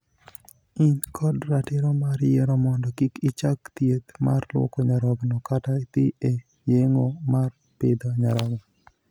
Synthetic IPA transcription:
inkʰɔdɾatɪɾɔmaɾjɛɾɔmɔndɔkikit͡ʃakt̪jet̪ma̰rlwo̰koɲaɾɔɡnɔkatat̪ie | jeŋomar | ped̪oɲaɾɔɡnɔ

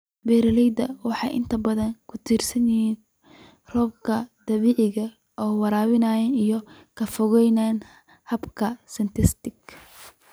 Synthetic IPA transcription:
bɛːɾɐlɛjd̪ɐwɑħɑjʔɪ̰nt̪ʰɐbɐðɐŋkʰʊt̪ʰiːrsɐnjɛɦiːn | rɔːb̚kʰɐd̪̥ɐβiːʕɪɣɐ | ʔɔːwɑɾaːwɪnaːjɛnijɔ | kʰɐfɔɣɛjnaːn | hɐbkʰɐsɪnt̪ʰɪst̪ɪk

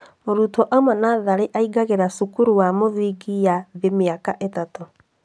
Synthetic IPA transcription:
moɾutɔʔamanaðaɾeʔaiɡaɣeɾasukuɾuwamoðiɡijaðemeakaʔetato

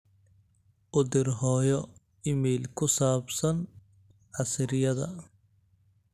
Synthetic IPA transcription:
ʔʊd̪ɪrɦɔːjɔ | ɪmiːlkʰʊsaːbsɐn | ʕɑsɪɾɪjɐðɐ̰

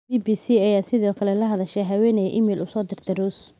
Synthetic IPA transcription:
bibiːsiɐjaːsɪðɔːkʰɐlɛlɐɦɐðɐʃɛjɦɐwɛːnɛjʔɪmɛːlʔʊsɔːd̪ɪrt̪ʰɛruːs

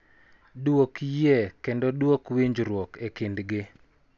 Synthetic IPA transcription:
dwokjɛkendɔdwokwiɲd͡ʒɾwɔkekindɡɪ

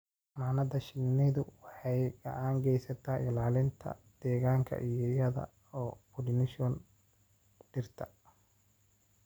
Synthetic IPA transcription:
maːnɐd̪ɐʃɪnːɛðʊwɑħɑjɡɐ̰ʕaːŋɡɛjsɐt̪ʰaːɪlaːlɪnt̪ʰɐ̰d̪̥ɛːɣaːŋkʰɐ̰ʔijɔjɐðɐ̰ | ɔːbʊlnɪʃɔn | ɖɪrt̪ʰɐ

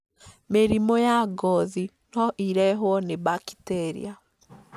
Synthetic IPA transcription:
meɾimojaɡɔði | nɔʔiɾɛɦwɔnebaki̥tɛɾḭa

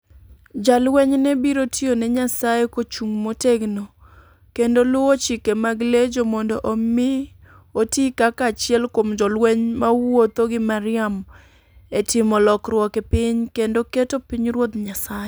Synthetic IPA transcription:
d͡ʒalwɛɲnɛbiɾotionɛɲasajekot͡ʃuŋmoteɡno | kendolʊwot͡ʃɪkemaɡled͡ʒomɔndɔʔomɪ | otikakat͡ʃɪɛlkomd͡ʒɔlwɛɲmawot̪oɡɪmaɾɪam | etɪmɔlɔkrwɔkepɪɲkendoketopiɲɾwot̪ɲasaje

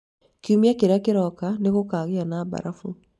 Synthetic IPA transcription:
kiumiakeɾeakeɾɔkaneɣokaːɣeanaba̰ɾafu

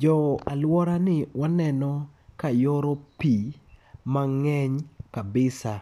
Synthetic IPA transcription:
d͡ʒɔalwɔɾanɪwanɛnɔkajɔɾopimaŋɛɲkabɪsa

